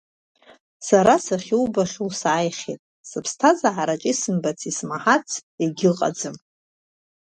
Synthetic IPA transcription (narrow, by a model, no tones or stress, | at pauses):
saɾasaχʲiwbaχʲulsaːjχʲḛtʼ | sɨpʰstʰazaʕaɾat͡ʃʼisɨmbat͡sʰismaħat͡sʰeɡʲɪlqʼa̰d͡zɨm